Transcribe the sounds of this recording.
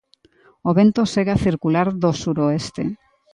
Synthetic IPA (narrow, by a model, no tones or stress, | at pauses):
oβent̪oseɣaθiɾkulaɾðosuɾoest̪ḛ